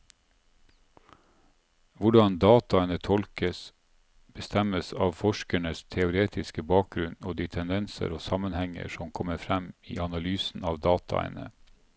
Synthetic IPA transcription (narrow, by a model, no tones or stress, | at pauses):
ʋʊɖɑnd̪ɑːt̪ɑənət̪ʰɔlkəs | b̥əst̪æməsɑːʋfɔʃkæɳəst̪ʰɛʊɾeːt̪ʰɪskəbɑːk̚ɡɾʉnoːd̪iːt̪ʰɛnd̪ɛnsə̰ɾoːsɑmənhɛŋə̰ʃɔmkʰɔməfɾæmḭːʔɑnɑlyːsn̩ɑːʋd̪ɑːt̪ʰɑ̰ə̰nə